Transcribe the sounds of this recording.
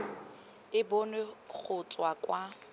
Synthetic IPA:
ɪbonek͡xʰʊt͡sʼwakʼwa

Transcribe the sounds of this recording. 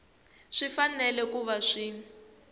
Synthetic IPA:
ʂifanɛlɛkuβaʂi

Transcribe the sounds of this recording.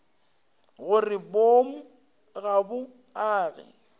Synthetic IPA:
ɣʊrɪbom̩ | ɣabʊ | aːɣɛ̰

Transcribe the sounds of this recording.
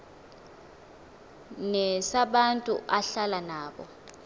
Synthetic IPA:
nɛsaɓantʼṵaɬalanaːɓɔ̰

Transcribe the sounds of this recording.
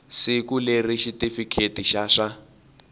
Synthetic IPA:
sikuleriʃitʼifikʰetʼiʃaʂa

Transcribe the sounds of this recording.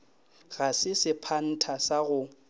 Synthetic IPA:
ɣasɪsɪpʰan̩tʰasaɣʊ

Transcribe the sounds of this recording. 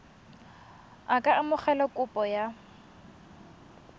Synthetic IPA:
akʼaʔamʊχɛlɔkʼʊpʼɔja

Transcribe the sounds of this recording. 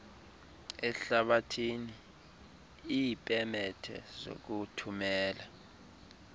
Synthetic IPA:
ɛɬaɓatʰini | ipʼɛmɛtʰɛ̰zo̰k̬utʰumɛːla

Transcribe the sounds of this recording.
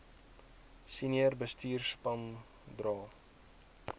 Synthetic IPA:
siniərbəstiːrspɐn | drɑː

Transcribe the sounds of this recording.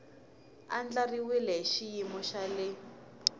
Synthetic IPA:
a̰nd͡ɮariwilɛɦʃijimɔʃalɪ

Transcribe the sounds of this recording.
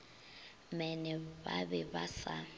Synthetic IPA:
mɛnɛβa̰βɛβasa

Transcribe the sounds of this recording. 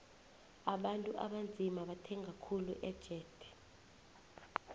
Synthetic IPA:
aɓantʼuʔa̰ɓand͡zʱimaɓatʰɛŋɡʱakʰuluʔɛd̥ʒ̥ʱɛːd̥ʱɛ̥

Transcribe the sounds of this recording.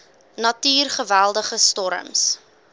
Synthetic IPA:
nɐtyːrχəvælˠdəχəstɔɾə̰ms

